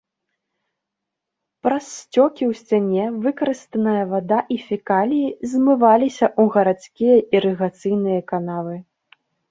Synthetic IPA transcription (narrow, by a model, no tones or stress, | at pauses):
pɾɐsːt͡sʲɔkʲiwsʲt͡sʲanʲɛvɨkɐɾɨst̪ɐnɐjɐvad̪aʔifʲikalʲijizmɨvalʲisʲɐʔuɣɐɾat̪skʲijɐʔiɾɨɣat̪sɨjnɨjɐkanavɨ